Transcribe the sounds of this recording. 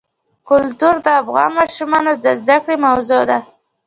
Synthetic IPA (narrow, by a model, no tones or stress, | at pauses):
kʊlt̪uɾd̪əafɣɑ̰nmɑʃumɑnod̪əzd̪akɽemawzod̪a